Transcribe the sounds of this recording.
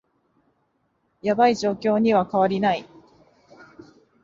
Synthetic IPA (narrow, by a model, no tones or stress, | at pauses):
jabaiʑo̞ːkʲo̞ːɲ̟iβakaβaɾʲinai